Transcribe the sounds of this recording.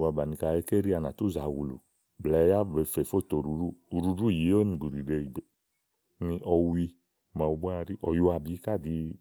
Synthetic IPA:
wa˧ba˨nĩ˧ka˧˨e˦ke˦ɾi˦a˧na˨tu˦˨za˨wu˨lṵ˨ | blɛ˨˦ja˦˨ve˨˧fe˨fo˦˨to˨ɾu˨˦ɾu˦˨u˨ɾu˧ɾu˦˨ji˨˦o˦nĩ˧˨ɡ͡bu˨ɾi˨de˧i˨ɡ͡be˨ | nĩ˧ʔɔ˧wi˧ | mã˨u˧bu˦a˧ɾi˦ʔɔ˨ju˧˦a˧˨bi˨˦ka˦˨di˧

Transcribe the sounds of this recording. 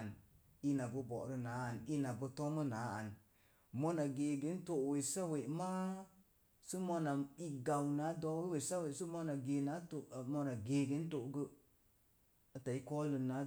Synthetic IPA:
n˨ | i˧na˨bɨ˧bɔ̰˨ɾɨ˧naː˨˦a˨n˨i˦na˨bɨ˧tɔ˦mɨ˦naː˨˦a˨n˨ | mɔ˧na˨ɡeː˨ɡe˨˦n̩˦to˦˨ʔwe˨sa˦we˨ma˦ | sɨ˦mɔ˧na˨i˧ɡa˨wna˨˦dɔː˧˦we˦we˨sa˦we˨sɨ˦mɔ˧na˨ɡeː˨naː˨˦to˨ʔmɔ˧na˨ɡeː˨ɡe˨˦n̩˦to˨˦ɡə˧ | ta˨i˦kɔː˦lɨ˧na˨˦

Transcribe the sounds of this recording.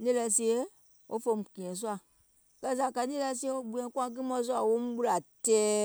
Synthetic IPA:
nĩ˦lɛ˧˨si˦e˦ | wʔo̰˦fõ˧˨kĩ˨ɛ̃˨s̬u˦a˨ | kɜ˦s̬a˨ka˧˦nĩ˦lɛ˧˦si˦e˦o˦ɡ͡bu˨ɛ̃˨˦ku˦ã˦ɡɨ˦mɔ̃˦s̬u˦a˨wo˦mũ˦ɓu˦ɾa˨tɛː˨˦

